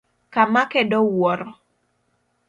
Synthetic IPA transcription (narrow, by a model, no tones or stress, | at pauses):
kamakɛdɔwɔɾɔ